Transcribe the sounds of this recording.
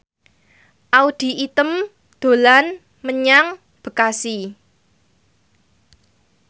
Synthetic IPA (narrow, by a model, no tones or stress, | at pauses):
ʔaud̪̥i̤ʔit̪əm | d̪̥o̤lan | məɲaŋ | b̥ə̤kasi